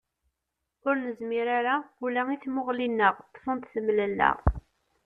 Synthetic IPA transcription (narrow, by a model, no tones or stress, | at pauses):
ʊɾnəzmiɾaɾaulæŋiθmʊʁlinːəʁt̪ːfənt̪θəmːləlːæ̰ʁ